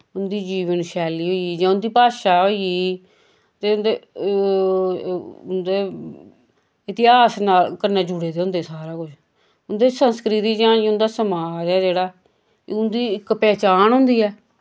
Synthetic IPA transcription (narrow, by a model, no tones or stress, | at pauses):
ʊnd̪iːd͡ʒiːʋənʃɛːliːɦoiiːd͡ʒãːʊnd̪iːpaːʃaːɦoːiiː | t̪eːʊnd̪eː | ʊnd̪eː | ɪt̪ɪɦaːsnaːlkəɾnɛːd͡ʒʊɽeːd̪eːɦʊ̃nd̪eːsaːɾaːkʊd͡ʒ | ʊnd̪eːsənskɾɪt̪iːd͡ʒãːʊnd̪aːsəmaːd͡ʒɛːd͡ʒeːɽaː | ʊnd̪iːɪkpɛːt͡ʃaːnɦʊnd̪iːɛː